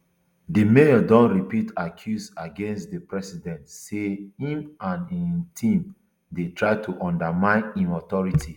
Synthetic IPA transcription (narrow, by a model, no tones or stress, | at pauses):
dimeɔdɔ̃ntɹipitakʰjusaɡẽnstdəpɹɛsidɛ̃ntseĩmãnitʰĩm | detʰɹaɪtʰuʔɔ̃ndamãɪ̃nĩnɔtɔɹitʰi